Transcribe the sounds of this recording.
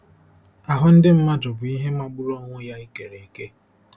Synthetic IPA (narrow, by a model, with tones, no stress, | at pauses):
a˨ɦʊ˦n̩˦dɪ˦m̩˦ma˦dʊ˨bʊ˨i˦ɦe˦ma˦ɡ͡bʊ˦ɾo˦ŋʷʊ˦ja˦i˦ke˨ɾe˨i˨ke˦